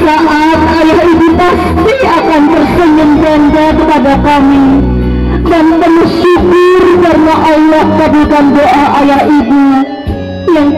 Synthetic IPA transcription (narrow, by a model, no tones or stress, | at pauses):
laʔa | t̪̚ajahibupast̪i | akant̪ərsəɲəŋd͡ʒaŋd͡ʒakəpadakami | danpənʊhʃukʊrkaɾənaʔalɔhkabukandoʔaʔajahibu | jaŋ